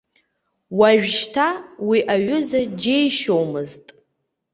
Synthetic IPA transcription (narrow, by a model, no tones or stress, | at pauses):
waʒᶣʃtʰawiʔaɥʏzad͡ʒejʃowmɨztʼ